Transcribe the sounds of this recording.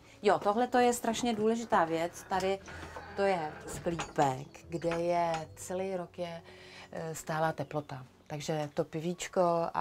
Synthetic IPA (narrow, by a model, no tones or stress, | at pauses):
jot̪oɦlɛt̪o̞jɛst̪ɾaʃɲɛduːlɛʒɪt̪aːvjɛt͡st̪adɪt̪o̞jɛskliːpɛkɡdɛjɛt͡sɛlejɾokjɛ | st̪aːlaːt̪ɛplo̞t̪a | t̪aɡʒɛt̪o̞pɪviːt͡ʃkoa̰